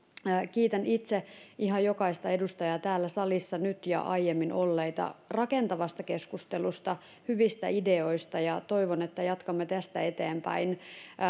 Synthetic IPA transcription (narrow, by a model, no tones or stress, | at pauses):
kiːt̪ænit̪seiɦɑjokɑist̪ɑedust̪ɑjɑːt̪æːlːæsɑlisːɑnyt̪jɑ̰ʔɑjjemːino̞lːeit̪ɑ̰rɑke̞nt̪ɑʋɑst̪ɑke̞skust̪elust̪ɑ | hyʋist̪æide̞oist̪ɑjɑt̪o̞iʋonet̪ːæjɑt̪kɑmːet̪æst̪æet̪eːmpæ̰in